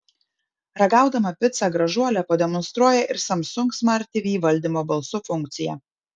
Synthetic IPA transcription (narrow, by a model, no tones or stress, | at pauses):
ɾɐɡɑˑʊd̪ɐmɐpʲɪt̪sɑˑɡɾɐʒuɔlʲɛpɐd̪ʲɛmɔnst̪ɾuɔjɛʔɪɾsɐmsʊŋksmɐɾʲt̪ʲɪʋʲiːʋɐlʲd̪ʲimoːbɐlˠsʊfʊŋʲˑk̚t̪sʲɪjɛ